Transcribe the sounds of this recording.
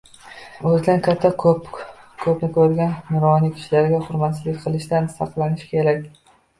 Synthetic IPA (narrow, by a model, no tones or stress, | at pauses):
ɵzɪd̪ankʲʰat̪ʰːakʰpkʰɵpnɪkʰʲɵɾɡʲanːʊɾɒnikʲʰɪ̥ʃlaɾɡʲaχʊɾmat̪sɪzlɪk̚ʲqʰɨlˠɪʃd̪ansɑqlˠanɪʃkʲʰe̞ɾakʲ